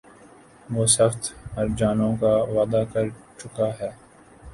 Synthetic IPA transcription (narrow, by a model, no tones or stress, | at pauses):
ʋoːsɐxt̪mɐɾd͡ʒaːnõkaʋaːd̪akɐɾt͡ʃʊkaɦɛː